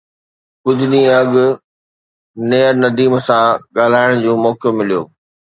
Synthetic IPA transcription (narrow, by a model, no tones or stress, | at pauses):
kʊd͡ʑʱʊɗĩːẽɐɠʊ | neːɾnɐd̪iːmsãɠaːl̤aːɪɽ̃d͡ʑũːmɔːkjomɪlijo̰ː